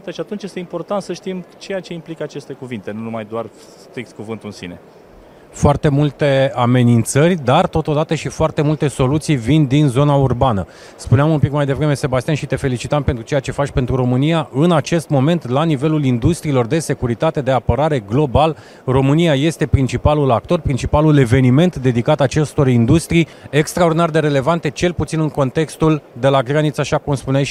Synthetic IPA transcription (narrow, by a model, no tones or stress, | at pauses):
t̪ʃiat̪unt͡ʃje̞st̪eimpo̞rt̪ant̪səʃt̪imt͡ʃe̞jat͡ʃe̞implikəat͡ʃe̞st̪e̞kuvint̪e̞nunumajd̪oar | sst̪ɾik̚t̪̚kuvɨnt̪uɨnsḭne̞ | foart̪e̞mult̪e̞ame̞nint̪sərʲd̪art̪o̞t̪od̪at̪əʃifoart̪e̞mult̪e̞so̞lut̪sijvind̪inzo̞naurbanə̰ | spuneamunpikmajd̪e̞vɾe̞me̞se̞bast̪ianʃit̪e̞fe̞lit͡ʃit̪ampet̪ɾut͡ʃejat͡ʃe̞fat͡ʃʲpe̞nt̪ɾuɾo̞mɨnijaʔɨnat͡ʃe̞st̪mo̞me̞nt̪lanive̞lulind̪ust̪ɾiːlo̞rd̪e̞se̞kuɾit̪at̪e̞d̪e̞apəɾaɾe̞ɡlo̞bal | ro̞mɨnijaje̞st̪e̞pɾint͡ʃipalulak̚t̪o̞rpɾint͡ʃipalule̞ve̞nime̞nt̪d̪e̞d̪ikat̪at͡ʃe̞st̪o̞rind̪ust̪ɾijekst̪ɾaord̪inard̪e̞ɾe̞levant̪e̞t͡ʃe̞lput̪sinɨŋko̞nt̪e̞kst̪uld̪e̞laɡɾanit̪saʃakumspuna